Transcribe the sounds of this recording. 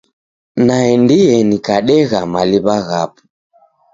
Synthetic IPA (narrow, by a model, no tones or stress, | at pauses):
naɛndiɛnikaɗɛɣamaliβaɣapu̥